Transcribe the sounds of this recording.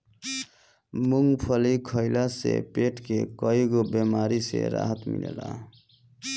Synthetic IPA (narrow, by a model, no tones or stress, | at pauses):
muŋɡpʰʌlikʰʌjlasepeʈkekʌiɡobemaɾisḛɾa̰ɦət̪mḭnḛla̰